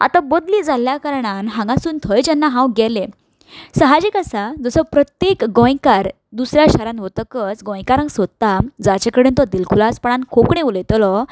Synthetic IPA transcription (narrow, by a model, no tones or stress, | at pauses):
a̰t̪ãbəd̪liːd͡zaljakaɾɳanɦãŋɡãsuːnt̪ʰəjt͡ɕɛnːaɦãwɡɛle | səɦad͡ʑikəsad͡zəsɔpɾət̪jekɡɔ̃jkaɾ | d̪usɾjaɕaɾãnɦot̪əkət͡sɡɔ̃jkaɾãŋɡsəd̪t̪ad͡zat͡ɕekəɽent̪ɔd̪ilkʰulaspəɳankʰokɳeuləjt̪lɔ